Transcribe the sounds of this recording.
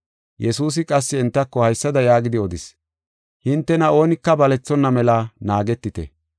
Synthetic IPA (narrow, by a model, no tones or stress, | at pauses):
jɛsuːs̬ɪkʼɐsːɪɪnt̪ːɐkːɔhɐjsːɐd̪ɐjaːɡɪd̪ɪɔd̪ɪs | hɪnt̪ːɛnɐo̞ːnɪkːɐbɐlɛt͡sːɔnːɐmɛlɐnaːɡɛt̪ːɪt̪ɛ̰